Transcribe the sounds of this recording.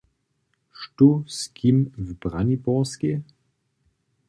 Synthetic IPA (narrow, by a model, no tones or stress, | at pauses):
ʃtuskʰimvbʁanibɔʁske